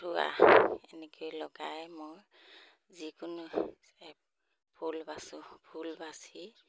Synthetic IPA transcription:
ɾua̰ɛnɛkʰojlɔɡajmoj | zikʊnʊ | ɛ | pʰulbasubʰʱulbasi

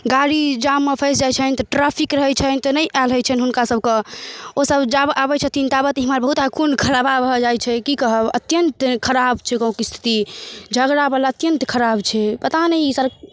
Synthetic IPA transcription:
ɡaɾid͡ʒamːepʰəjsd͡ʒajt͡ʃʰənt̪ɔʈɾapʰikɾəɦɛt͡ʃʰɛnt̪ɔnəjʔalɦəjt͡ʃʰɛnɦunkasəb̚ʱkeosəbd͡ʒabʔabɛt͡ʃʰɛt̪int̪abət̪iɦmaɾbəɦut̪akʰunkʰəɾababəɦəd͡ʒajt͡ʃʰɛkikəɦəbə̰t̪jənt̪kʰəɾabt͡ʃʰɛkə̃ũkist̪ʰi̥t̪id͡ʒʱəɡɾabalaət̪jənt̪kʰəɾabt͡ʃʰɛpət̪anəiisəɾk̚

